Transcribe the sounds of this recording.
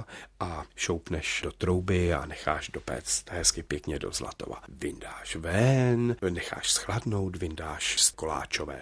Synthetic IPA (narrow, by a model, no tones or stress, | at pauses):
ʔaʃowpnɛʃd̥ot̪ɾowbɪa̰nɛxa̰ːʃdo̞pɛ̰t͡st̪ɦɛskɪpjɛkɲɛdo̞̰zla̰t̪o̞̰va̰vɪndaːʃvɛnnɛxa̰ːʃsxladno̞wt̪vɪndaːʃskola̰ːt͡ʃovɛ̰ː